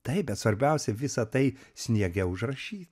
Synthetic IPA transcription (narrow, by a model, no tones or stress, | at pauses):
t̪ɐɪbʲɛt̪sʋɐɾʲbʲɛʊsʲɛʋʲɪsɐt̪ɐɪsʲnʲiɛɡʲɛʊʒrɐʃʲiːt̪